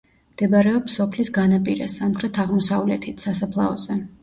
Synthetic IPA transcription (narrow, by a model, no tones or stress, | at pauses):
md̪̥ɛbaɾɛɔpsɔpʰlisɡanapʼiɾɛ̰samkʰɾɛt̪ʰaʁmɔsavlɛt̪ʰit̪ʰsasapʰlˠa̰ɔz̥ɛ